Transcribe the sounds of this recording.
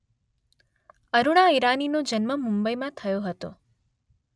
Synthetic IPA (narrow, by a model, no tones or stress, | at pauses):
əɾuɭ̃aiɾaninod͡ʒənməmumbəjmãt̪ʰəjoɦət̪o̰